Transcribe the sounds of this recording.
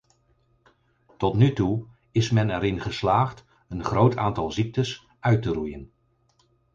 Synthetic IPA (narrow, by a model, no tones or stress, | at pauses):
tɔtnytu | ɪsmɛnɛɾɪnχəslaːχt | ənχrowtʰa̰ːntɑlˠzik̚təs | œɥtərujən